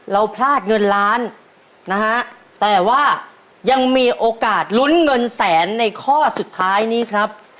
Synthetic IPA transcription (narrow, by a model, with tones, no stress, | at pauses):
ɾa˧wpʰlaː˥˩t̪̚ŋɤ˧nɾaː˦˥n | na˦˥hʰa˦˥ʔ | t̪ɛː˨˩waː˥˩ | ja˧ŋmiː˧ʔoː˧kaː˨˩t̪̚lu˦˥nŋɤ˧nsɛː˩˦nːa˧jkʰɔː˥˩su˨˩t̪ʰːaː˦˥jniː˦˥kʰɾa˦˥p̚